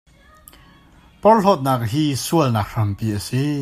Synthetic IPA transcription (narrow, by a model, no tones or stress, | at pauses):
pɔrɬɔt̪̚naːk̚ɦiːsuəlnaːk̚r̥ɐmpiʔəsi